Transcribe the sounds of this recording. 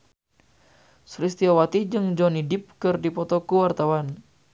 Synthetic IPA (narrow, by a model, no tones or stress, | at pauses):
sɾist̪iawat̪id͡ʒɨŋd͡ʒɔnidip̚kɨrdipɔt̪ɔkuwart̪awan